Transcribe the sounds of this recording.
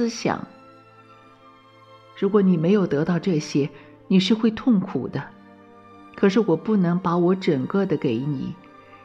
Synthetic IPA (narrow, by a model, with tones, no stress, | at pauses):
ɕjɑ̰˨˩˦ŋ | ɻu˧˥kwɔ˧˥ni˨˩me˧˥ɪjo˨˩ʊt̪ɤ˧˥t̪ɑ˥˧ʊʈ͡ʂɤ˥˩ɕjɛ˥ | ni˨˩ʂɻ̩˥˧xwe˥˧ɪt̪ʰʊ˥˩ŋkʰu˨˩d̪ə˦ | kʰɤ˨˩ʂɻ̩˥˩wɔ˨˩pu˥˩nɤ˧˥ŋpa˧˥wɔ˧˥ʈ͡ʂə˨˩ŋkɤ˥˩d̪ə˩ke˧˥ɪni˨˩˦